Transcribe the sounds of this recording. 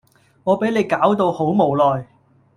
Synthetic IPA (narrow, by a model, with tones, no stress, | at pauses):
ŋɔː˨˧pe˨˥jle˨˧jkaː˨˥wt̪o˧who˨˥wmo˨wlɔː˨j